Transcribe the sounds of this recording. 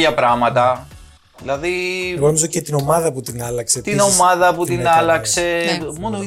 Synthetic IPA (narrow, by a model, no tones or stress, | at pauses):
ʝɐpɾɐmɐt̪ɐ | ðilɐðibonzocet̪ino̞mɐðɐput̪inɐlɐkset̪ino̞mɐðɐput̪inɐlɐkse̞mono